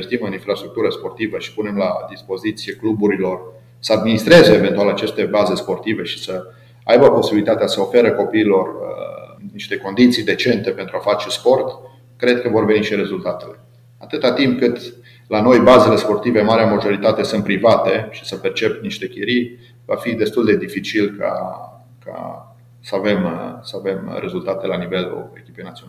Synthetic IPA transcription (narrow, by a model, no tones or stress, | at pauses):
est̪imɨninfɾast̪ɾuk̚t̪uɾəspo̞rt̪ivəʃi̥pune̞mlad̪ispo̞zit̪sije̞klubuɾilo̞r | səad̪minist̪ɾe̞ze̞ːve̞nt̪ualat͡ʃe̞st̪e̞baze̞spo̞rt̪ive̞ʃi̥sə | ajbəpo̞sibilit̪at̪easəofe̞ɾəko̞piːlo̞r | niʃt̪e̞ko̞nd̪it̪sijd̪e̞t͡ʃe̞nt̪e̞pe̞nt̪ɾuafat͡ʃe̞spo̞rt̪ | kɾe̞d̪̚kəvo̞rve̞niʃiɾe̞zult̪at̪e̞le̞ | at̪ɨt̪at̪imp̚kɨt̪ | lano̞jbaze̞le̞spo̞rt̪ive̞maɾeamaʒo̞ɾit̪at̪e̞sɨnt̪pɾivat̪e̞ʃi̥səpert͡ʃe̞pniʃt̪e̞keɾi | vafid̪e̞st̪uld̪e̞d̪ifit͡ʃilka̰ | kʰa̰ | səave̞msəave̞mɾe̞zult̪at̪e̞lanive̞lṵe̞̰kʲi̥pejnat̪siona